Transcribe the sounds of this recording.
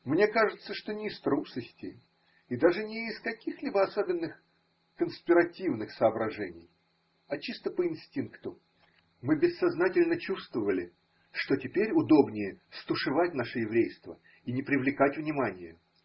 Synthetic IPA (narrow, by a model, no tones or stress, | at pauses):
mnʲe̞kaʐɨt̪səʂt̪o̞nʲɪːst̪ɾupsəsʲtʲɪ | ɪd̪aʐɨnʲɪːskɐkʲixlʲibəɐsobʲɪnːɨx | kənspʲɪɾɐtʲivnɨxsəɐbɾɐʐɛnʲɪ̰j | ɐt͡ɕist̪əpəɪnsʲtʲinkt̪ʊ | mɨbʲɪsːɐznatʲɪlʲnət͡ɕust̪vəvəlʲɪ | ʂt̪o̞tʲɪpʲeɾʲʊd̪o̞bnʲɪjəst̪ʊʂɨvatʲnaʂɨjɪvɾʲejst̪və̰ | inʲɪpɾʲɪvlʲɪkatʲvnʲɪmanʲɪjə